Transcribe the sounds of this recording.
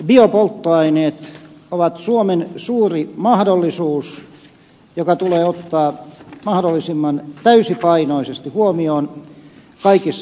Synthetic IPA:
biopolt̪ːoɑineːt̪oʋɑt̪suomensuːrimɑhdolːisuːs | jokɑt̪uleːot̪ːɑːmɑhdolːˑisimːɑnt̪æysipɑinoisest̪ihuomioːn | kɑikisː

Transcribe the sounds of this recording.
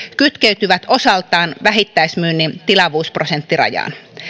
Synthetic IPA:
kyt̪keyt̪yʋæt̪o̞sɑlt̪ɑːnʋæɦit̪ːæjsmyːnːint̪ilɑʋuːspro̞se̞nt̪ːirɑ̰jɑ̰ːn

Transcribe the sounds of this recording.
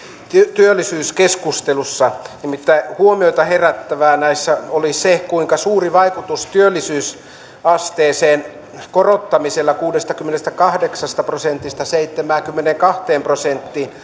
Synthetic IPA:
t̪yt̪yølːˑisyːskeskust̪elusːɑnimit̪ːæihuomioit̪ɑheræt̪ːæʋæːnæisːæolisekuiŋkɑsuːriʋɑikut̪ust̪yølːˑisyːs | ɑst̪eːseːn | korot̪ːɑmiselːɑkuːdest̪ɑkymːenest̪ækɑhdeksɑst̪ɑprosent̪ːˑist̪ɑseit̪ːemæːŋkymːeneŋkɑht̪eːmprosent̪ːiːn

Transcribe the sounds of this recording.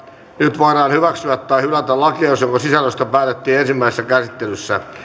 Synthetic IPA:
nyt̪ʋoiɾɑːnhyʋæksyæt̪ːɑihylæt̪ælɑkliɑsjoŋkosisæløst̪ɑpæːt̪et̪ːiːensimːæisesːækæsit̪ːelysːæ

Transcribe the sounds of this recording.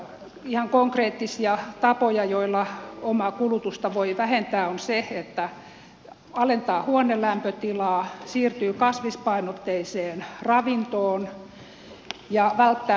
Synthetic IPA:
ihɑŋkoŋkreːt̪ːisiɑt̪ɑpojɑjoilːɑomɑkulut̪ust̪ɑʋoiʋæhent̪æːonseet̪ːæ | ɑlent̪ɑːhuonelæmpøt̪ilɑːsiːrt̪yːkɑsʋispɑinot̪ːeiseːnrɑʋint̪oːn | jɑʋælt̪ːæː

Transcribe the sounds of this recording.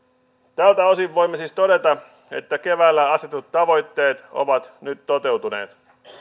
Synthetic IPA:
t̪ælt̪æo̞siʋːo̞jmːesist̪o̞ɾe̞t̪ɑ | e̞̰t̪ːæke̞ʋæːlːæɑset̪ut̪ːɑʋo̞jt̪ːe̞ːt̪o̞̰ʋɑt̪nyt̪ːot̪e̞wt̪une̞̰ːt̪

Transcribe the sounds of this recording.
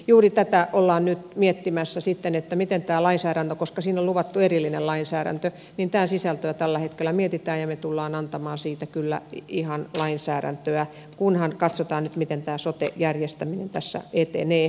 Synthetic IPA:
juːrit̪æt̪æʔolːɑːnnyt̪miet̪ːimæsːæsit̪ːenet̪ːæmit̪ent̪æːlɑinsæːɾænt̪økoskɑsiːnolluʋɑt̪ːuerilːinelɑinsæːɾæ̰nt̪ø | nint̪æːsisælt̪øæt̪ælːæhet̪kelːˑæmiet̪it̪æːjɑmet̪ulːɑːnɑnt̪ɑmɑːnsiːt̪ækylːæ̰ihɑnlɑinsæːɾæ̰nt̪øæ | kunhɑnkɑt̪sot̪ɑːnyt̪mit̪ent̪æːsot̪ḛjærjest̪æminent̪æsːæ̰et̪ḛneː

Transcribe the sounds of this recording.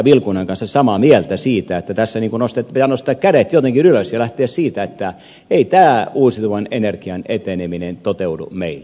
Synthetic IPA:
ʋilkunɑŋkɑnsːɑssɑmɑmielt̪æsiːt̪æet̪ːæt̪æsːæniːŋkunost̪epit̪ænost̪ɑkkæɾet̪jot̪eŋkinyløsjɑlæht̪eæssiːt̪æet̪ːæ | eit̪æːuːsit̪uʋɑnenerkiɑnet̪eneminent̪ot̪eudṵmeilː

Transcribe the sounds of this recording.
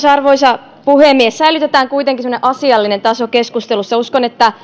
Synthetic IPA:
sɑrʋo̞isɑ | puhemːiesːæilyt̪et̪æːŋkuit̪eŋkisemŏneʔɑsiɑlːinent̪ɑsokeskust̪elusːɑuskonet̪ːæ

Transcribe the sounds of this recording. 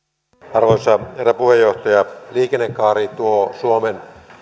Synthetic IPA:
ɑrʋoisɑheræpuhejːoht̪ɑjɑliːkenːekːɑːɾit̪uosuomen

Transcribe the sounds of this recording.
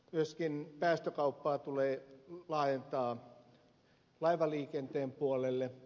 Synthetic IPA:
myøskinpæːst̪økɑupːɑːt̪uleːlɑːjent̪ɑː | lɑiʋɑliːkent̪eːmpuolelːe

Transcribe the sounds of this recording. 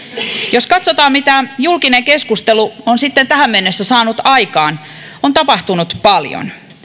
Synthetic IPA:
joskɑt̪sot̪ɑːmmit̪æjulkineŋkeskust̪eluonsit̪ːent̪æhæmmenːesːæsɑːnut̪ɑikɑːn | ont̪ɑpɑht̪unut̪pɑljo̰n

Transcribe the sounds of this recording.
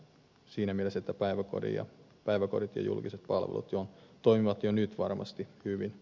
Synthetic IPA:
siːnæmieleset̪ːæpæiʋæko̰rḭjɑ̰ | pæiʋækorit̪jɑ̰jṵlkiset̪̚pɑlʋḛlṵt̪jont̪oimiʋɑt̪jonyt̪ʋɑrmɑ̰st̪ihyʋin

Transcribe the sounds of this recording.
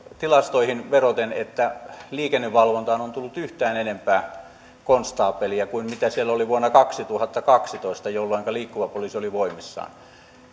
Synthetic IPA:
t̪ilɑst̪oihinʋerot̪enet̪ːæliːkenːeʋʋɑlʋont̪ɑːnont̪ulːut̪yht̪æːnenempæː | konst̪ɑːpːˑeliækuinmit̪æsielːoliʋuonːɑkɑksit̪uhɑt̪ːɑkɑksit̪oˑist̪ɑjolːoˑiŋkɑliːkːuʋɑpoliːsioliʋoˑimisːɑ̰ːn

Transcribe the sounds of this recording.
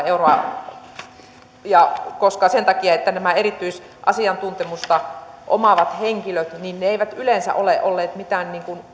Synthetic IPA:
euroɑ | jɑkoskɑsent̪ɑkiɑet̪ːænæmæerit̪ːyis | ʔɑ̰siɑnt̪unt̪emust̪ɑʔo̰mɑʋɑt̪heŋkiløt̪ninneeiʋæt̪ylensæ̰ʔoleʔolːeːt̪mit̪æːnniːŋkun

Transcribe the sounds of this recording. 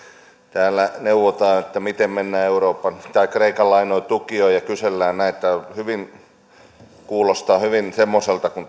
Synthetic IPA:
t̪æːlːˑæneuʋːot̪ɑːnet̪ːæmit̪emmenːæːeuroːpːɑnt̪ɑikreikɑlːɑinoit̪ukioijɑkyselːæːnnæiet̪ːæhyʋin | kuːlost̪ɑːhyʋinsemːoselt̪ɑkun

